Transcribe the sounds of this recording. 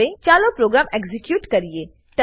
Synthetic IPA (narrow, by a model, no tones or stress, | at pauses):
ẽt͡ʃaːlõpɾoːɡɾaːmeɡzɪkjuːʈkɐɾieː | ʈɐ